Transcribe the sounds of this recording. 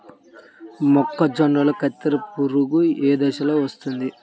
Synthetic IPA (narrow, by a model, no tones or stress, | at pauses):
mɔkːɐd͡ʒɐɳɖɐlɐkɐt̪ːɐɾɐpuɾuɡueːd̪ɛʃɐloːʋɐst̪und̪i